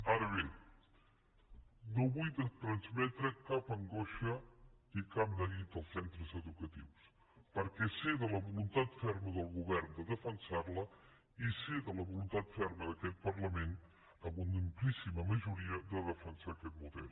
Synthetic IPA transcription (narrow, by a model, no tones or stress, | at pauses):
aɾəβe | noβujət̪ɾənzmɛt̪ɾəkapəŋɡoʃəikapnəɣit̪əlˠsɛnt̪ɾəzəðukət̪iws | pəɾkɛseðələβulunt̪at̪fɛɾməðəlˠɣuβɛɾnd̪əðəfənsarlə | iseðələβulunt̪at̪fɛɾməðəkɛt̪̚pəɾləmen | əβunəmplisiməməʒuɾiəd̪əðəfənsakɛt̪̚muðɛ̰lˠ